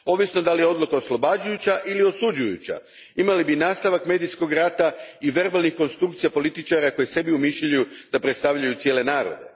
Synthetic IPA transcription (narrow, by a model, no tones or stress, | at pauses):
o̞ʋisno̞d̪alijeo̞d̪lukaoslˠo̞bad͡ʑujut͡ɕaʔilio̞sud͡ʑujṵt͡ɕa̰ | imalibinaːst̪aʋakme̞ːd̪ijsko̞ɡɾat̪aiʋe̞ɾbalˠnixko̞nst̪ɾukt̪sijapo̞lit̪it͡ʃaɾako̞jese̞biumiʃujud̪̥apɾet̪st̪aʋʎajut̪sjele̞naːɾo̞̰d̪e̞̰